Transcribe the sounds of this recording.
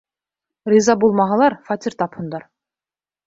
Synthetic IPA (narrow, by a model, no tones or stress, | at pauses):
ɾizɑbolˠmɑʁɑlˠɑɾfɑt̪ʲiɾt̪ʰɑpund̪ɑɾ